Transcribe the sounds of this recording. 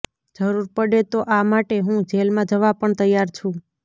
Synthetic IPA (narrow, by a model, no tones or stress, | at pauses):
d͡ʒəɾuɾpəɽet̪oʔamaʈeɦũd͡ʒelmãd͡ʒəʋapəɳt̪əjːaɾt͡ʃʰũ